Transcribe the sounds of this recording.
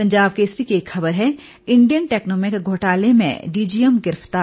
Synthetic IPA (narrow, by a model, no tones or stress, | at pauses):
pɐ̃ɲd͡ʒaːbkeːsɾikeeːkxɐbəɾɦɛ | ɪ̃ɳɖijənʈɛːknɔːmɪkɡʱoːʈaːlemḛ̃ɖiːd͡ʒijəmɡɪɾəft̪aː